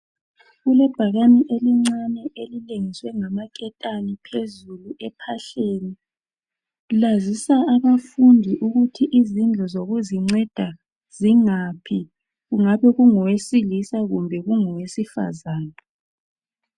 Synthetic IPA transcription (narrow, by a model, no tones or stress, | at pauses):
ɣulɛb̥ʱaɣaniʔeliŋ͡ǀanɛʔelileŋiswɛŋamakʼɛtʼanipʰezuluʔɛpʰaɬeni | lazisaʔaβafundʱiʔuɣutʰiʔizind͡ɮʱɔzoɣuziŋ͡ǀɛd̥ʱa | z̥iŋapʰi | ɣuŋaβɛɣuŋɔwesilisaɣumbʱɛɣuŋɔwesifa̰zaːna